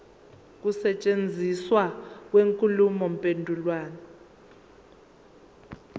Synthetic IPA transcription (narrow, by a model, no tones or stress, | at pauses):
k̬usɛt͡ʃʼend͡zʱiswak̬weŋkʼulumɔmpʼendʱulwaːnaɔ